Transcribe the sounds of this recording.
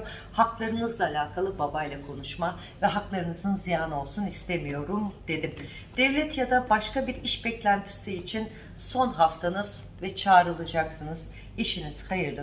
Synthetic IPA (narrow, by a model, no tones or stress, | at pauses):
haklˠaɾɯnɯzlˠaːlʲaːkʰalˠɯbabajlˠakʰo̞nuʃma | vɛɦaklˠaɾɯnɯzɯnzijaːnɯo̞lˠsunist̪ʰe̞mijo̞ɾumd̪̥e̞d̪im | d̪̥ɛvlʲɛt̪jad̪abaʃkabiɾiʃbɛclʲænt̪ʰi̥siːt͡ʃʰin | so̞nɦaft̪ʰanɯz̥ | vɛt͡ʃʰaːɾɯlˠad͡ʒaksɯnɯz̥ | iʃiniz̥hajɯɾlˠɯ